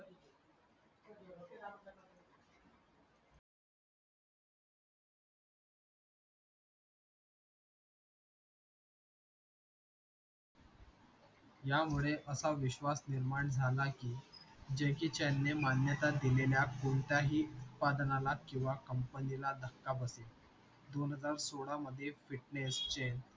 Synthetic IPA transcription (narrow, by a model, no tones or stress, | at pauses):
jamuɭeʔəsaʋiɕʋasniɾmaɳd͡zʱalakiːd͡ʑekiːt͡ɕanːemanjət̪ad̪ileljakoɳt̪jaɦiːut̪̚pad̪nalakĩw̃ʋakəmpənilad̪ʱəkːapəsel | d̪onɦəd͡zaɾsoɽaməd̪ʱːjefiʈnest͡ɕen